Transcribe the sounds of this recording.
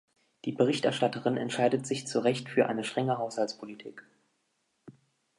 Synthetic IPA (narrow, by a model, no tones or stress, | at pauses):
d̥iːbəʁɪçtɛɐʃtatəʁɪnɛ̰ntʃaɪdətz̥ɪçt͡suʁɛçtfyːɐʔa̰ɪnəʃtʁ̥ɛŋəɦaʊshalt͡sspʰolitʰḭːk